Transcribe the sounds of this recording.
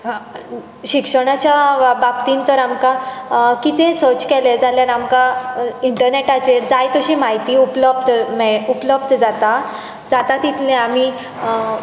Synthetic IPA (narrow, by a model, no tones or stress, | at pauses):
ɕikʂəɽ̃at͡ɕjabap̚t̪iːnt̪əɾamkakit̪ẽsot͡ɕkɛled͡zaljaɾamkaiɳʈəɾneʈat͡ɕed͡zajt̪əɕimaɦit̪iupləb̚d̪mɛupləb̚d̪d͡zat̪a | d͡zat̪at̪it̪ʰlẽam̤i